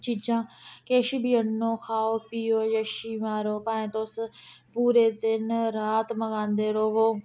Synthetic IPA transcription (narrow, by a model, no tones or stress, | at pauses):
t͡ʃid͡ʒãːkeːʃiːbiənːoːkʰaːoːpiːoːjəʃiːmaːɾoːpãːẽt̪oːspuːɾeːd̪ɪnɾaːt̪mɐɠãːnd̪eːɾoːʋoː